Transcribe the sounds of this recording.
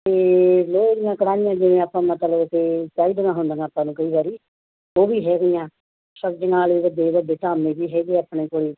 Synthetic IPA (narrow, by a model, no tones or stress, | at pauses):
t̪eːloːɡɪjãːkəɽaːnɪjãːd͡ʒɪʋẽːaːpːãːmət̪ləbket͡ʃaːiːd̪nãːɦʊnd̪aːnaːpːãːnũːkəiːʋaːɾiː | oːbiːɦɛːɡɪjãː | ʃəkd͡ʒnaːliːʋəd̪eːʋəd̪eːt̪aːmẽːbiːɦɛːɡeːaːpɳeːkoːɽiː